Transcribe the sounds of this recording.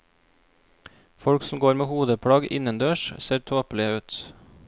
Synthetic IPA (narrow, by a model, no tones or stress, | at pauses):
fɔɽksm̩ɡoːɾmeːhuːd̪əpʰɽɑːɡɪ̰nənd̪øːʃseːɾt̪ʰoːplɪəʉːt̪